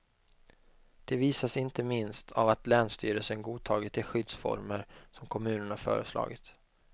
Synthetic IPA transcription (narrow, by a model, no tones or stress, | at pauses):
d̪̥ɛviːsasɪnt̪əmɪnst̪ʰavat̪lɛːnst̪yːɾəlsənɡuːt̪ʰɑːɡɪt̪ʰːɪlɧʏd̪sfɔ̰ɾməɾsɔmkʰɔmʉ̟ːnəɳhaɾfœ̰ːɾəslɑ̰ːɡɪt̪